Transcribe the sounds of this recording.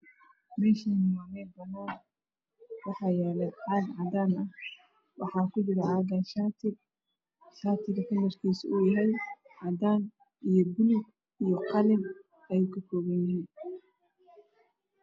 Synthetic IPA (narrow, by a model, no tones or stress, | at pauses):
mɛːʃiːnɪwanɛːb̪ɐnɔː | wɑħɑːjɛːlɛʕɑːd̪ʕɑd̪aːnɐh | wɑħɑːkʰʊd͡ʒɪɾɐaːɡɐnʃaːt̪ʰɪ | ʃaːt̪ʰɪɣɐfɐlːɐrkʰiːsʊʊjɐɦɛjʕɑd̪aːn | ijɔbʊlʊɡ | ijɔqɑlɪm | ɐjukʰɐkɔːɣɛnɪhiːn